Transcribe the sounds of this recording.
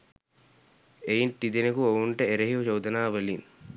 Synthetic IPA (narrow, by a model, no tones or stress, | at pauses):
eint̪id̪enekuouɳʈəeɾeɦiut͡ʃowd̪ɐnaːʋelin